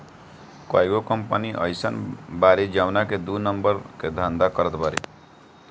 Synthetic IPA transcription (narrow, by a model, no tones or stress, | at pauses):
ka̰jɡokɔmpaniʔʌ̰jsanbaɾid͡ʒawnaked̪unʌmbəɾked̪ʱand̪akɔɾət̪paɾḛ